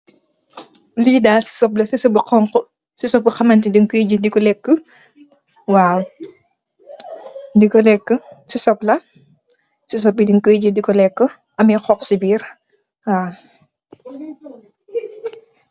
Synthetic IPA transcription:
liːdaːsi̥sɔp̚lɐsisɔbəqɔŋkɔ | sisɔp̚bəxɐmɐntidiŋkəjɟədikɔlɛkːə | waːw | dikɔlɛkːəsisɔp̚lɐ | sis̬ɔp̚ːidiŋkəjɟədikɔlɛkːə | ʔɐmɛxɔksibiːr | a

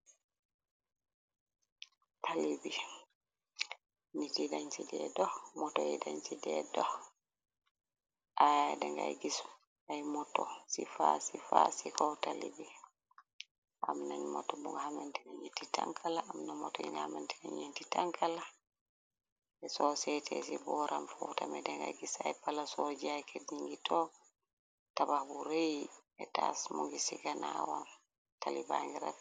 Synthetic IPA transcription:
tʰalibi | nitidaɲt͡ʃidɛ̰dɔhmɔtɔjḭdaɲt͡ʃidɛdɔh | ʔajadɛŋɡa̰jɡisu̥ | ajmɔtɔsifasifasikɔtalḭbi | ʔamnaɲmɔ̰tɔmuŋɡahamantɛnaɲitːita̰ŋkʰalaamnamɔtɔḭŋɡahamantɛnaɲintitaŋkʰala | ɛsɔsɛtʰɛ̰sibɔɾʔamfɔwtamɛdɛŋɡa̰jɡisajpalasod͡ʒiajkʰediŋɡitʰɔ | tabahbuɾejɛtasmuŋɡisiɡanawam | talibaŋɡiɾa̰

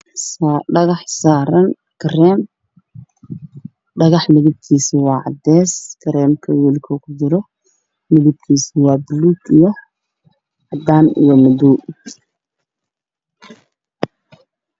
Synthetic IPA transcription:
saɖɐɣɑħsaːɾɐn | kɾɛːm | ɖɐɣɑħmɪðɪb̚k̪ʰiːsɪwɑːʕɑ̰d̪ɛːskʰɐɾɛːmkʰɐwilkʰɔkʰʊd̪ɪɾɔ | mɪðɪb̚k̪ʰiːswɑːbɪluːtijɔ | ʕɑd̪aːnijɔmɐduː

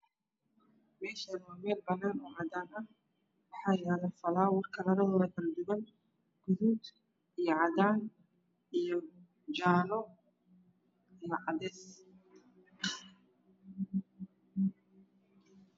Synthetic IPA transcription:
mɛːʃɐnɔmɛːlbɐnːaːnɔːʕɑːd̪aːnɐh | wɑħɑːjaːlɐfɐlaːwɑrkʰɐlɐɾɐðɔːðɐɡ̪ɐld̪ʊɣɐn | ɡ̥ʊðuːd̪ | ijɞʕɑd̪aːn | ijɔ | d͡ʒaːlɔ | ijɔʕɑðɛːs

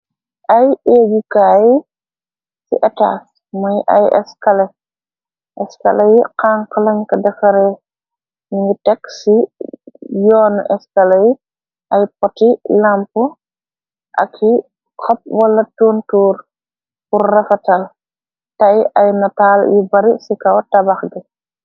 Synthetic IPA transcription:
ʔɐjeːɡikaːj | sḭʔɛta̰ːs | mɔjʔɐ̰jɛ̰skɐlɛ | ʔɛskɐ̰lɐjiqaːŋkɐlɐɲkɐdɐfɐɾɛ | niŋɡitɛksi | jɔːnʔɛskɐlɐji | ʔɐjpɔtilampu | ʔɐ̰kʰːi | kʰɔp̚wɐlːɐtuːntuːɾ | purːɛfɐtɐl | tɐjɐjnɐtaːljibɐɾisikɐwtɐbɐxɡi

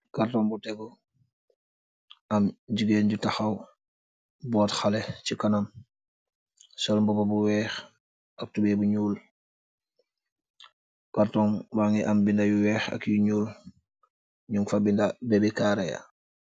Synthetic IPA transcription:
kartɔŋbutɛɡɔ | ɐmɟiɡeːnɟutaxɐw | bɔːtxalɛcikanam | sɔlmbɔbɔbuwɛːx | ɐk̚tubɛbuɲuːl | kaɾtɔŋbaŋiʔɐmbindajuwɛːxɐ̰kjuɲuːl | ɲuŋfabindabɛbɛkaːɾɛja̰

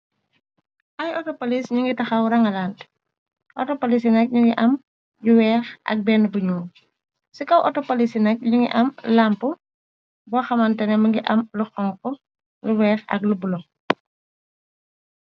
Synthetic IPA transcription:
ʔɐjɔtɔpɐlisɲuŋɡitɐxɐwɾɐŋɐlaːnt | ʔɔtɔpɐlis̬inɐk̚ɲuŋɡiʔɐm | juwɛːxʔɐ̰k̚bɛːnbuɲuː | sikɐwʔɔtɔpɐlisinɐk̚ɲuŋɡḭʔɐmlampu | bɔxɐmɐntɛnɛmɐŋɡiʔɐmluxɔŋkɔ | luwɛːxɐ̰k̚lubulɔ

